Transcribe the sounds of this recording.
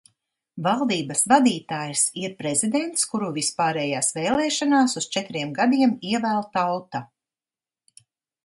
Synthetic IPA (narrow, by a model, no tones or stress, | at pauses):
valˠd̪iːbasvad̪iːt̪aːjsiɾpɾezid̪ɛnt̪skuɾuvispaːɾɛːjaːsveːlˠɛːʃanaːsust͡ʃɛt̪ɾiɛmɡad̪iɛmiɛvæːlˠt̪awt̪a